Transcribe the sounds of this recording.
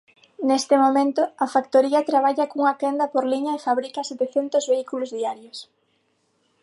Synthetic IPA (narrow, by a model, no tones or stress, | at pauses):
nest̪ɪmomẽnt̪ʊɐfakt̪oɾiɐt̪ɾaβ̞aʎɐkouŋat̪ɛnd̪ɐpoɾliɲɐefaβɾikɐset̪eθɛnt̪ʊzβeikulʊzðiaɾjos